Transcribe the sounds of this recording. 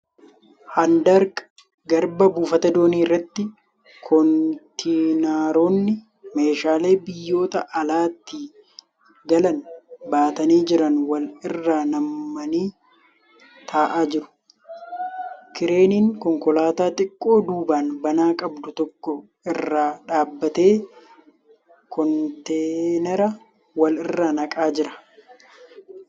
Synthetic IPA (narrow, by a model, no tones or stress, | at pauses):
hɐnd̪ɐɾk | ɡɐɾbɐbuːfɐt̪ɐd̪o̞ːniːrːɐt̪ːɪ | kʰɔnt̪inaːɾoːnːɪ | me̞ːʃaːle̞ːbɪjːo̞ːt̪ɐʔɐlaːt̪ːɪ | ɡɐlɐnbaːt̪ɐniːd͡ʒɪɾɐnwɐlɪrːaːnɐmːɐniː | t̪ʰaːʔaːd͡ʒɪɾʊ̥ | kɪɾe̞ːniːŋkɔŋkɔlaːt̪aːt̪ʼɪkʼːo̞ːd̪uːbaːnbɐnaːkʼɐbd̪ʊt̪ɔkːɔ | ɪrːaːᶑaːbːɐt̪e̞ː | kʰɔnt̪eːnɛɾɐ | wɐlɪrːaːnɐkʼaːd͡ʒɪɾɐ̥